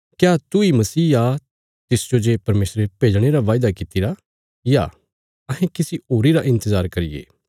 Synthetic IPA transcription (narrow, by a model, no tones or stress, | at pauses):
kjaːt̪uimɐsiːa | t̪ɪsd͡ʒod͡ʒeːpɐɾmeːsɾepeːd͡ʒɽ̃eɾaʋaːjd̪akit̪iɾa | ja̰ː | ɐɦɛ̃kɪsioːɾiɾaʔɪ̃nt̪əzaːɾkɐɾḭjḛː